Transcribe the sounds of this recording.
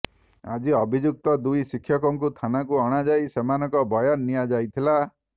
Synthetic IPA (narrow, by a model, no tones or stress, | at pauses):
a̰d͡ʒiɔbʱid͡ʒuk̚t̪ɔd̪ujsikʰːjɔkɔŋkut̪ʰanakuɔɽ̃ad͡ʒajsemanɔŋkɔbɔjanːijad͡ʒajt̪ʰila